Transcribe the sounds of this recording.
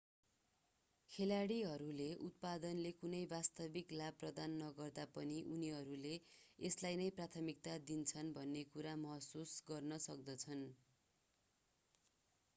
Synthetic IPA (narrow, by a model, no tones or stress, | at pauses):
kʰelaɽiɦʌɾuleʔut̪̚pad̪ʌnlekunʌjbast̪ʌbiklab̚prʌd̪anːʌɡʌrd̪apʌniʔuniɦʌɾuleeslajnʌjprat̪ʰʌmik̚t̪ad̪int͡sʰʌnbʱʌnːekuɾamʌɦʌsusɡʌrnʌsʌk̚d̪ʌt͡sʰʌn